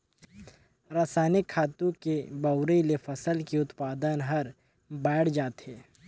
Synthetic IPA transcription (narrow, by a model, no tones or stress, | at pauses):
ɾaːsaːnɪkʰːaːt̪ũkebɐʊɾəlefɐsəlkiʊt̪paːd̪ənɦɐɾ | bɛːɽ̤d͡ʒaːt̪eː